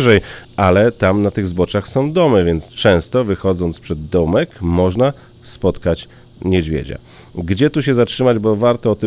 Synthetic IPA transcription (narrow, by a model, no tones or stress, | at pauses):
ʐɛjalɛt̪amnat̪ɘɣzbɔt͡ʂaxsɔ̃w̃d̪ɔmɛvʲjɛnt̪st͡ʂɛ̃w̃st̪ɔvɘxɔd̪zɔnt̪spʂɛd̪ːɔmɛkmɔʐna | spɔt̪kat͡ɕ | ɲɛd͡ʑvʲjḛd͡ʑa̰ | ɡd͡ʑɛt̪uɕɛzatʂɘmad͡ʑbɔvaɾt̪ɔːt̪ɘ